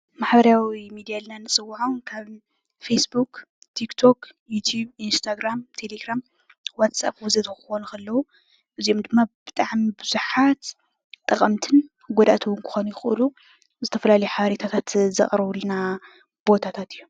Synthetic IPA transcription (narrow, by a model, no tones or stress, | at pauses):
maħbɐɾawimid̪ijalnanɨsʼɨwːħonkʰaβ | fejsbuk | t̪ʰikt̪ʰo̞kjut̪ʰjuβinst̪ʰaɡɾamt̪ʰe̞leɡɾam | wat̪sa̰p̚wuzɐt̪ʰɐxɨxonukʰɐlːɐwu | ʔɨziomd̪ɨmːab̥ɨt̪ʼaʕmibɨz̥uħat̪ | t̪ʼːɐχʼɐmt̪ʰɨn | ɡʷod̪a̰t̪ʰuwunkʰu̥xonjɪxʔɨlu | zɨt̪ʰɐfɐlalɐjuħaβɐɾet̪ʰat̪ʰat̪zɐ̰χʼɐɾɨβulna | b̥o̞t̪ʰat̪ʰat̪ʰɨjːu